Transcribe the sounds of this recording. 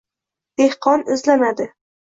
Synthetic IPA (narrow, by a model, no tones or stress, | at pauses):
d̪̥ehqʰɒnɪzlanad̪ɪ